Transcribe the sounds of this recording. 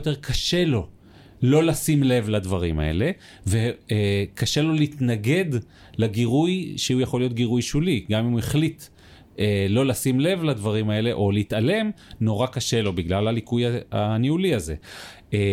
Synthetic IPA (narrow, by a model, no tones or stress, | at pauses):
ot̪e̞ʁkʰaʃe̞lo̞ | lo̞lasimle̞vlad̪vaʁima̰e̞̰le̞ | vekaʃe̞lo̞leit̪naɡe̞d | laɡiʁujʃeujaχo̞lijo̞t̪̚ɡiʁujʃuliɡamimueχlit | elo̞lasimle̞vlad̪vaʁimae̞leʔo̞leit̪ale̞mno̞ʁakaʃe̞lo̞biɡlalalikujaa̰niuliaze̞̰